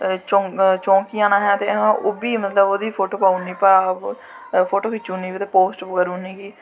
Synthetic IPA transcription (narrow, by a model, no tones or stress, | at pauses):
t͡ʃɔ̃ːt͡ʃɔ̃ːkiːãːnaːɦɛːt̪eːɦãoːbiːmət̪ləboːd̪iːpʰoːʈoːpaːuniːpa | pʰoːʈoːkɪt͡ʃːuːniːiːt̪eːpoːsʈkəɾuːniːkiː